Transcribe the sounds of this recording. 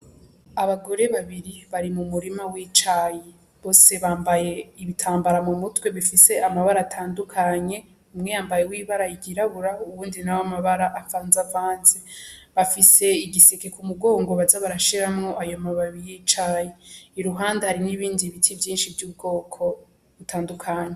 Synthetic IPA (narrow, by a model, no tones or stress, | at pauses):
aβaɡo̞ɾe̞βaβiɾiβaɾimumuɾimawiːt͡ʃaji | βo̞ːse̞βaːmbaje̞iβitʰaːmbaɾamumutwe̞βifise̞ʔamaβaɾaːtʰaːndukʰaɲe̞ | umŋejaːmbajewiːβaɾaiɡiɾaβuɾauβuːndinajomaβaɾaʔafaːnzavaːnzeβafise̞iɡisikekumuɡo̞ːŋɡo̞βazaβaɾaʃiɾamŋo̞ʔajomaβaijiːt͡ʃaːjeiɾuɦaːndahaɾiniβiːndiβitʰivjiːnʃivjuːb̚ɡo̞ːkʰo̞ | βutʰaːndukʰaɲe